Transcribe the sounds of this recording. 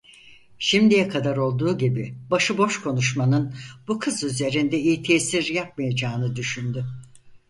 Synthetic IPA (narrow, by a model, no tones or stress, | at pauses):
ʃimd̪ijɛkʰad̪aɾo̞lˠd̪uːɟibibaʃɯbo̞ʃkʰo̞nuʃmanɯnbukʰɯzyze̞ɾind̪ɛijit̪ʰesiɾjap̚majad͡ʒaːnɯd̪yʃynd̪y